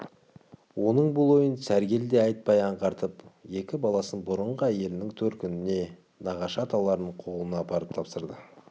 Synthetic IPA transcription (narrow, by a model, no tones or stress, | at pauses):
wʔo̞nəɴbʊlˠwo̞jənsæɾɡʲe̞ld̪e̞ɑjt̪̚pɑjɑɴqɑɾt̪əpje̞kʲɪbɑlˠɑsənbʊɾəɴʁəæje̞lɪnɪŋt̪ʰɵɾt̪̚kʲʰʏnɪne̞ | nɑʁɑʃɑt̪ʰɑlˠɑɾnəɴqʰo̞lˠənɑːpɑɾəp̚t̪ʰɑpsəɾd̪ə